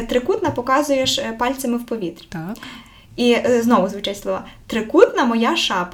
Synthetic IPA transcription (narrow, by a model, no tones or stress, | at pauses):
t̪ɾɪkut̪nɐpɔkɑzʊjeʃpɑlʲt͡sʲɐmɪwpɔʋʲit̪rʲ | iznɔʋʊzʋʊt͡ʃɛtʲslˠɔʋɑ̰t̪ɾɪkut̪nɐmɔjɑʃɑp